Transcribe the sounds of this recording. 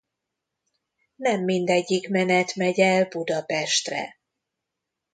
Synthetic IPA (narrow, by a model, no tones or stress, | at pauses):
nɛmːind̪ɛɟːikmɛnɛt̪mɛɟɛlbud̪ɒpɛʃt̪rɛ̰